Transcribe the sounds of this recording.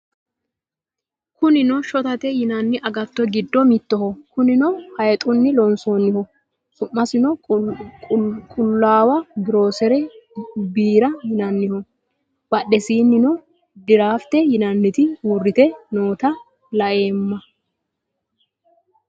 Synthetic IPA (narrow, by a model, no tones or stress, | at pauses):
kʊnɪnɔʃɔt̪ɐt̪ɛjɪnɐnːɪʔɐɡɐt̪ːɔɡɪd̪ːɔmɪt̪ːɔhɔkʊnɪnɔhɐjt̪ʼʊnːɪlɔnsoːnːɪhɔ | sʊʔːɐsɪnɔ | kʼʊlːaːwɐɡɪɾo̞ːsɛɾɛbiːɾɐhɪnɐnːɪhɔ | b̥ɐɗːɛsiːnːɪnɔ | d̪ɪɾaːft̪ɛjɪnɐnːɪt̪ɪhuːrːɪt̪ɛnoːt̪ɐ | lɐʔe̞ːmːɐ